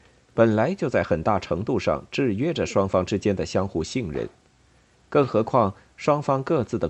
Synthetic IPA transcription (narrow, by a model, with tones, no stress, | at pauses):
pə˨˩nla˧˥ɪt͡ɕjo˥˧ʊt͡sa˥˩ɪxə˨˩nt̪a˥˩ʈ͡ʂʰɤ˧˥ŋt̪u˥˧ʂɑ̰˥˧ŋʈ͡ʂɻ̩˥˩ɥɛ˥ʈ͡ʂə˨ʂwɑ˥ŋfɑ˥ŋʈ͡ʂɻ̩˥t͡ɕjɛ˥nd̪ə˨˩ɕjɑ˥ŋxu˥˩ɕi˥˩ŋɻə̰˧˥n | kɤ˥˩ŋxɤ˧˥kʰwɑ˥˩ŋ | ʂwɑ˥ŋfɑ˥ŋkɤ˥˧t͡sɹ̩˥˩d̪ə˩